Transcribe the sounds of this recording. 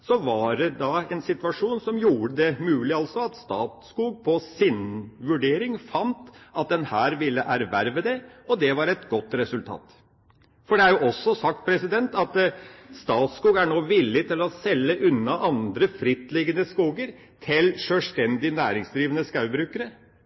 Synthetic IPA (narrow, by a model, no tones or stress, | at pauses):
sɔʋɑɖɛd̪ɑɛnsɪt̪ʋɑʂuːnsɔmjuːɾəd̪ɛmʉːlɪɑlsɔɑt̪st̪ɑːt̪skuːɡ̚pʰɔsɪnʋʉɖeːɾɪŋfɑnt̪ɑt̪̚d̪ɛnhæːɾʋɪlːəʔæɾʋæɾʋɛd̪ɛɔd̪ɛʋɑɾɛt̪ɡɔt̪ːɾɛsʉlt̪ʰɑ̰ːt̪ | fɔɖɛæɾjʊʔɔsːɔsɑk̚t̪̚pʰɾɛsɪd̪ɛnt̪ɑt̪st̪ɑːt̪skuːɡæɳoːʋɪlːɪt̪ʰɪlɔsɛlːəʔʉnːɑʔɑnd̪ɾəfɾɪt̪ːlɪɡənəskuːɡəɾ | t̪ʰɪlʂœlʂt̪ɛnd̪ɪnæːɾɪŋsd̪ɾiːʋənəskɑʉbɾʉːkəɾə